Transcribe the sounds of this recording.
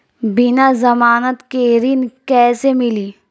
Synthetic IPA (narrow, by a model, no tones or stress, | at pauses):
bɪnazɐmaːnət̪keɾinkɛːsemɪliː